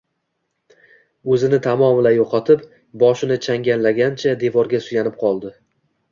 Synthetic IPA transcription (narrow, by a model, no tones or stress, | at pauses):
ɵzɪnɪt̪ʰamɒmɪlajoqʰɑt̪ʰɪp | bɒʃɪnɪt͡ʃʰaŋɡʲanlaɡʲant͡ʃʰad̪e̞vɒɾɡʲasʊjanɪp̚qʰɒlˠd̪ɪ